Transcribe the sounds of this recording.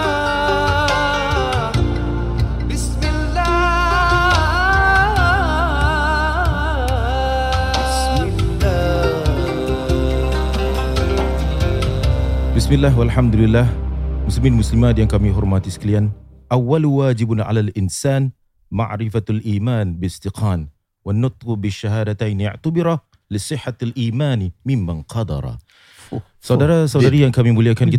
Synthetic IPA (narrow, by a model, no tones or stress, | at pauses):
bɪsmɪlːa | ɪsmɪ | lː | bɪsmɪlːaːɦwalħamd̪ulɪlːaːhmʊslɪmiːnmʊslɪmaːd̪jankamiːɦʊɾˤmat̪ɪsklijanʔawːalwaːd͡ʒɪbʕa̰lalʔɪnsaːn | ma̰ʕɾɪfalʔiːmaːnbɪɪst̪ɪqʰaːn | wɪnːʊt̪ˤqbɪʃːahaːd̪at̪ajnʊ̰ʕt̪abɪɾˤɑ | lɪsˤɨħːalʔiːmaːnmɪmːanqʰɑd̪ɑ̰ɾˤɑ̰ | sˤɑd̪ɾsˤɑd̪ɑɾɪjːankamiːmwɪljakaːn